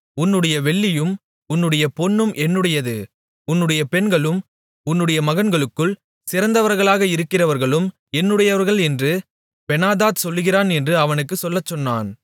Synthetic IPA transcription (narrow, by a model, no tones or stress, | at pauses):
ʊnːɯɽɐjɐʋɛɭːɪjɯm | ʊnːɯɽɐjɐpɔnːɯmʔɛnːɯɽɐjɐðɯ̰ | ʊnːɯɽɐjɐpɛɳɡɐɭɯm | ʊnːɯɽɐjɐmɐɣɐnɡɐɭɯkːɯɭ | sɪɾɐnd̪ɐʋɐɾɣɐɭaːɣɐɪɾɯkːɪrɐʋɐɾɣɐɭɯm | ɛnːɯɽɐjɐʋɐɾɣɐɭɛndrɯ | pɛnaːðaːt̪sɔlːɯɣɪɾaːnɛndrɯɐʋɐnɯkːɯsɔlːɐt͡ʃːɔnːa̰ːn